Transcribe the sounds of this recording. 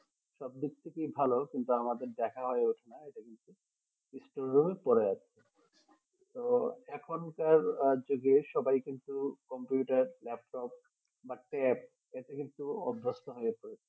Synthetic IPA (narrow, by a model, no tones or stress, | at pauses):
ʃɔb̚d̪ikt̪ʰːikibʱalokint̪uamad̪eɾd̪ɛkʰaɦɔeoʈʰenaeʈakint̪u | isʈoɾːumepɔɾeat͡ɕʰe | t̪oɛkʰonkaɾd͡ʑoɡeʃɔbajkint̪ukɔmpjuʈaɾlɛp̚ʈɔp̚ | baʈɛp̚ | eʈakint̪uɔbɾost̪oɦojepoɾet͡ɕʰe